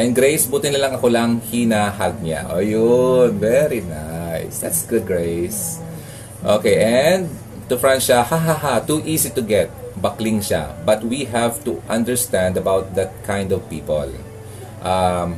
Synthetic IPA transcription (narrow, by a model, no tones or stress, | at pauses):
ʔɛ̃nɡɾejsbuːt̪ɪnɐlɐŋɐko̞lɐŋhinahaɡ̚ɲa̰ʔo̰jonvɛɾinajsd̪a̰t̪sɡʊd̪̚ɡɹejs | ʔoːkejʔɛnd̪̚ | t̪ʊfɹãnʃahaɦaɦat̪uʔiːsit̪ʊɡɛt̪̚bɐklɪŋʃa̰bɐt̪̚wiɦævt̪uʔɐ̃nd̪ɛɹst̪ãnd̪ɐbawt̪̚d̪ɐt̪̚kʰãj̃nd̪ɔvpḭːpo̰l | ʔam